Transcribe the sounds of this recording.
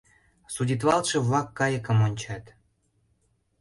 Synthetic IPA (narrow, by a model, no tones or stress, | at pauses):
sudʲit̪̬βɑlt̪ʃɤ̆βlɑkːɑjə̆kə̆monʲt͡ɕɑt̪